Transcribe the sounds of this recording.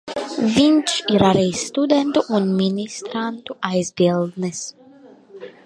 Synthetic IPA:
vinʃiɾaɾɛjsːt̪ud̪ɛnt̪uʔunmʲinʲist̪ɾant̪uajzbilˠd̪nɨs

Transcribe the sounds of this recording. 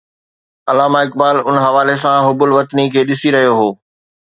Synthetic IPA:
ɐlaːmaɪk̚baːlʊnɦɐʋaːlesãɦʊbʊlʋɐt̪nikʰeːɗɪsiɾɐɦijoɦoː

